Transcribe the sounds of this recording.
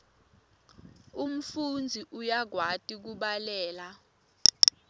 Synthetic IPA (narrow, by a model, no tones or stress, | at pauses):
um̩fund͡zʱiʔujaɡʱwatʼik̬uɓalɛːla